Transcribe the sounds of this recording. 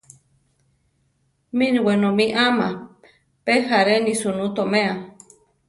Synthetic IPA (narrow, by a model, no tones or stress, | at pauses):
mĩniwenomiʔama | pehaɾenisunut̪omẽa